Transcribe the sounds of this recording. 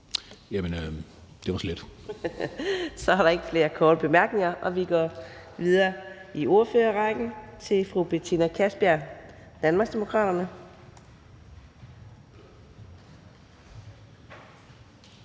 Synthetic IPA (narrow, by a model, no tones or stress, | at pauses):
jæmənø | d̥eʋɑ̈sled̥ | sɒ̽hɑ̈ɾ̥ɑ̈e̝ɡ̥əfle̝ːɐkʰɒːɾ̥əb̥e̝mæɐɡ̥ne̝ŋɐʔɒ̽ʋiɡ̥ɒʋið̞ˠɐːio̝ɐføːɐʁɑ̈ɡ̥n̩t͡sʰe̝lfʁub̥e̝t͡sʰinækʰæsb̥æɐd̥ænmɑ̈ɡ̥sd̥emo̝kʰʁɑ̰̈ːɾ̥ɐnə